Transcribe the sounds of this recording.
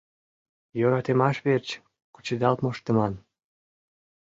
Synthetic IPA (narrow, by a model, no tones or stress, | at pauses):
jøɾɑt̪emɑʃβert͡ɕ | ku̥t͡ɕed̪ɑlt̪moʃt̪əmɑn